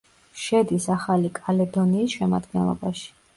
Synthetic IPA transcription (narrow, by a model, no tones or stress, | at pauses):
ʃɛd̪isaχalikʼalɛd̪ɔniːsʃɛma̰d̪ɡɛnlˠɔ̰baʃi̥